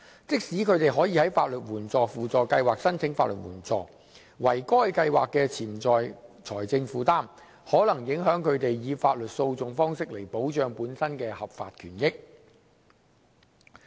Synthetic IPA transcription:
t͡sɪ˥k̚siː˨˥kʰɵ˨˧ɥt̪e˨jɦɔː˨˥jiː˨˧hɐ˨˥jfaː˧t̚lɵ˨t̚wuː˨˩nt͡sɔː˨fuː˨t͡sɔː˨kɐ˧jwaː˨k̚sɐ˥nt͡sʰɪ˨˥ŋfa̰ː˧t̚lɵ̰˨t̚wṵː˨˩nt͡sɔ̰ː˨˩ | wɐ˨˩jkɔː˥jkɐ˧jwa̰ː˨kːɛː˧t͡sʰiː˨˩mt͡sɔː˨jt͡sʰɔː˨˩jt͡sɪ˧ŋfuː˨t̪aː˥m | hɔː˨˥lɐ˨˩ŋjɪ˨˥ŋɦœː˨˥ŋkʰɵ˨˧ɥt̪e˨jjiː˨˧faː˧t̚lɵ˨t̚so˧wt͡sʊ˨ŋfɔː˥ŋsɪ˥k̚le˨˩jpo˨˥wt͡ʃœː˨˧ŋpuː˨˥nsɐ˥nkɛː˧hɐ˨p̚fa̰ː˧t̚kʰyː˨˩njɪ˥k̚

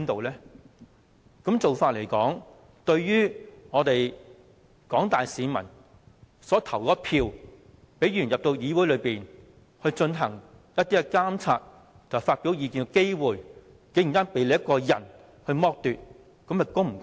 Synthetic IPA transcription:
nt̪o˨wlɛː˥ | kɐ˨˥mt͡so˨wfaː˧t̚le˨˩jkɔ̰ː˨˥ŋ | t̪ɵ˧ɥjyː˥ŋɔː˨˧t̪e˨j | kɔː˨˥ŋt̪aː˨jsiː˨˧mɐ̰˨˩n | sɔː˨˥t̪ʰɐ˨˩wkɔː˧˥pʰiː˧w | pe˨˥jjyː˨˩njɐ˨p̚t̪o˧wjiː˨˧wu˨˥jlɵ˨˧ɥpiː˨n | hɵ˧ɥt͡ʃɵ˧nɦɐ˨˩ŋ | jɐ˥t̚t̪iː˥kɛ˧kaː˥mt͡sʰaː˧t̪̚ʰ | ɐ˨faː˧t̚piː˨˥wjiː˨˧kiː˧nkɛ˧ke˥jwuː˨˧j | ke˨˥˨t̪aː˥npe˨˥jle˨˧jɐ˥tkɔː˧jɐ̰˨˩n | hɵ˧ɥmɔː˧k̚t̪yː˨t̚ | kɐ˨˧˥mjɐ˨˩kʊ˥ŋm̩˨˩k

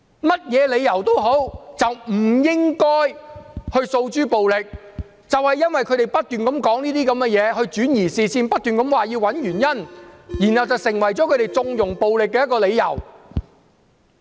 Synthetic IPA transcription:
mɐ˥t̚jɛː˨˧le˨˧jɐ˨˩wt̪o˥wɦo˨˥wt͡sɐ˨wm̩˨˩jɪ˥ŋkɔː˥jhɵ˧ɥso˧wt͡ʃyː˥po˨wlɪ˨k̚ | t͡sɐ˨whɐ˨jːɐ˥nwɐ˨jkʰɵ˧t̪e˨˩jpɐ˥t̚t̪yː˨nkɐ˨˥mkɔː˨˥ŋniː˥t̪iː˥kɐ˨˥mɡɛː˧jɛː˨˧ɦɵ˧ɥt͡ʃyː˨˥njiː˨˩siː˨siː˧npɐ˥t̚t̪yː˨nkɐ˨˥mwaː˨jiː˧wɐ˨˥njyː˨˩njɐ˥njiː˨˩nhɐ˨wt͡sɐ˨wsɪ˨˩ŋwɐ˨˩jt͡sɔː˨˥kʰɵ˧ɥɾe˨jt͡sʊ˧ŋjʊ˨˩ŋpo˨wlɪ˨k̬ːɛː˧jɐ˥t̚kɔː˧le˨˧jɐ̰˨˩w

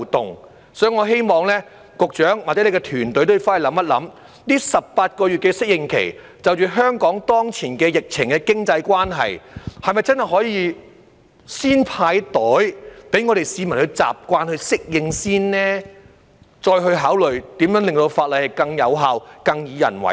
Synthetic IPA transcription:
t̪ʊ˨˩ŋ | sɔː˨˥ji˨ŋɔː˨˧ɦe˥jmɔː˨˧ŋlɛː˥ | kʊ˨k̚t͡ʃœː˨˥ŋwa˨˩t͡sɛ˨˥ne˨˧kɛ˧t̪ʰyː˨˩nt̪ɵ˨˥ɥt̪o˥jfaː˥jlɐ˨˥mːɐ˥t̚lɐ̰˨˧˥m | niː˥sɐ˨p̚paː˧t̚kɔː˧jy˨t̚kɛ˧sɪ˥k̚jɪ˨˧ŋkʰḛ˨˩j | t͡sɐ˨wt͡ʃyː˨ɦœː˥ŋkɔː˨˥ŋt̪ɔː˥ŋt͡sʰiː˨˩nkɛː˧jɪ˨k̚t͡sʰɪ˨˩ŋkɛː˧kɪ˥ŋt͡sɐ˧jkʷaː˥nɦɐ̰˨jhɐ˨˩jmɐ˨jt͡sɐ˥nhɐ˨jɦɔː˨˥jiː˧ | siː˥npʰaː˧jt̪ɔː˨˥jpe˨˥jŋɔ˨˧ɾe˨jsiː˨˧mɐ˨˩nhɵ˧ɥt͡sa̰ː˨p̚kʷaː˧nhɵ˧ɥsɪ˥k̚jɪ˨˧ŋsiː˥nnɛː˥ | t͡ʃɔː˧jɦɵ˧ɥɦaː˨˥wlɵ˨ɥt̪iː˨˥mjœː˨˥ŋlɪ˨ŋt̪o˧wfaː˧t̚lɐ˨jhɐ˨jkɐ˧ŋjɐ˨˧wɦaː˨˧wkɐ˧ŋjiː˨˧jɐ̰˨˩nwɐ̰˨˩

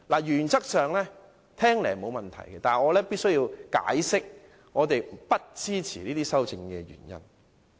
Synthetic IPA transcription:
laː˨˩jyː˨˩nt͡sɐ˥k̚sœː˨ŋlɛː˥ | t̪ʰɛː˥ŋlɛː˨˩mo˨˧wmɐ˨nt̪ʰɐ̰˨˩jkɛ˧t̪aː˨ŋɔː˨˧lɛː˥piː˥t̚sɵ˥ɥjiː˧wka̰ː˨˥jsɪ˥k̚ | ŋɔː˨˧t̪e˨jpɐ˥t̚t͡siː˥t͡sʰiː˨˩liː˥t̪iː˥sɐ˥wt͡sɪ˧ŋkɛː˧jy̰ː˨˩njɐ̰˦˥n

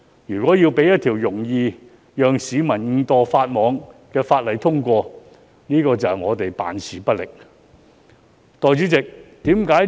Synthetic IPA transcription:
jyː˨˩kwɔː˨˥jiː˧wpe˨˥jɐ˥t̪̚ʰiː˨˩wjʊ˨˩ŋjiː˧ | jœː˨ŋsiː˨˧mɐ˨˩nŋ̩ː˨˧t̪ɔː˨˧faː˧t̚mɔː˨˧ŋkɛː˧faː˧t̚lɐ˨˧jt̪ʰʊ˥ŋkʷɔː˧ | niː˥kɔː˧t͡sɐ˨ŋɔː˨˧t̪e˨jpa̰ː˨nsiː˨˥pɐ˥t̚lɪ˨k̚ | t̪ɔː˨jt͡syː˨˥t͡sɪ˨k̚t̪iː˨˥mkaː˨˥

